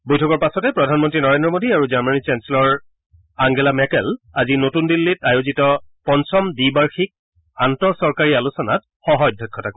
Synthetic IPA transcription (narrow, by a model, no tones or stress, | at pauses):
bojtʰɔkɔɹpasɔtɛpɹɔdʱanmɔntɹinɔɹendɹɔmodiaɹuzaɹmanit͡ʃɛnsɛlɔɹ | aŋɡɛlamɛkɛlazinotundilːitajozitɔpɔnsɔmdibaɹxik̚ | antɔsɔɹkaɹialusɔnat̚ | xɔɦɔjdʱɔk̚kʰːɔtakoɛ